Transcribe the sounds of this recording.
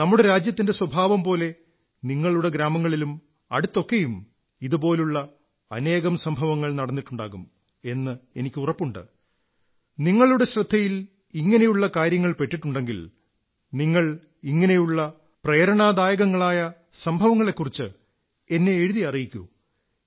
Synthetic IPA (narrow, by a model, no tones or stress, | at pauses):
nɐmːuɽeɾaːd͡ʑjɐt̪ːinde̞swɐbʱaːʋɐmpo̞ːle̞ | niŋːɐɭuɽe̞ɡɾaːmɐŋːɐɭilum | ɐɽut̪ːo̞kːe̞jum | iðupo̞ːluɭːɐ | ɐ̰ne̞ːɣɐmsɐmbʱɐʋɐŋːɐɭnɐɽɐnːiʈːuɳɖa̰ːɣum | e̞nːɨe̞nikʲːɨurɐpːuɳɖɨ̰ | niŋːɐɭuɽe̞ɕrɨd̪ʱːɐjil | iŋːɐne̞juɭːɐkaːɾjɐŋːɐɭpe̞ʈːiʈːuɳɖe̞ŋɡil | niŋːɐɭ | iŋːɐne̞juɭːɐ | preːɾɐɳaːd̪aːjɐɣɐŋːɐɭaːjɐ | sɐmbʱɐʋɐŋːɐɭe̞kːurit͡ɕːɨ | e̞nːe̞ːɻuðiɐrijikʲːṵ